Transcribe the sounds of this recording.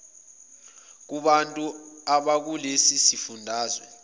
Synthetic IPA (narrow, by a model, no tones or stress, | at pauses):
k̬uɓantʼuaɓak̬ulesisifundʱaːzwɛ